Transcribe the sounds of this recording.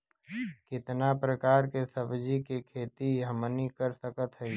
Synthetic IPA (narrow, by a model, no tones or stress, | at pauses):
kɪt̪napɾəkaːɾkesəbd͡ʒikekʰeːt̪iɦəmnikəɾsəkət̪ɦɛ